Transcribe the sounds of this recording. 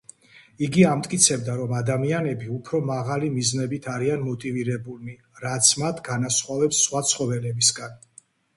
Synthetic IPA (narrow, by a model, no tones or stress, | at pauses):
iɡiamt̪ʼkʼit̪sʰɛbd̪aɾɔmad̪amianɛbiupʰɾɔmaʁalimiznɛbit̪ʰaɾianmɔt̪ʼiviɾɛbuli | ɾat̪sʰmat̪ʰɡanasχwavɛpsːχwat̪sʰχɔvɛlɛbisɡan